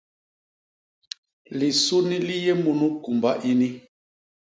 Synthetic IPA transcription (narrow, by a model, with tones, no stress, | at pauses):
li˨su˦ni˦li˦je˦mu˨nu˦ku˨mba̰˦ʔi˦ni˦